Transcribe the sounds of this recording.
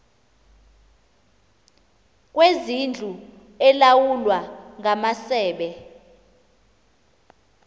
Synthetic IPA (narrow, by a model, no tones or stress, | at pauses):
k̬ʼwezind͡ɮʱu | ɛlawulwaŋamasɛːɓɛ